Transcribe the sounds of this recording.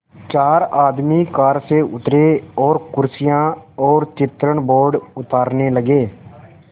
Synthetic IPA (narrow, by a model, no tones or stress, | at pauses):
t͡ʃaːɾaːd̪miːkaːɾseːʔʊt̪ɾeːɔːɾkʊɾsɪjãːɔːɾt͡ʃɪt̪ɾəɳboːɾɖʊt̪aːɾneːləɡeː